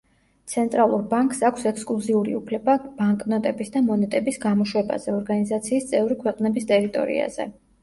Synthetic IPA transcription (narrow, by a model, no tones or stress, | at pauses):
t̪sʰɛnt̪ʼɾalˠuɾbaŋkʼsakʷʰsɛkskʼlˠuziuɾḭupʰlɛbab̥aŋkʼnɔt̪ʼɛbisd̪amɔnɛt̪ʼɛbisɡamɔʃwɛba̰z̥ɛɔɾɡanizat̪sʰiːst̪sʼɛvɾikʰwɛqʼnɛbist̪ʼɛɾit̪ʼɔ̰ɾḭa̰z̥ɛ̰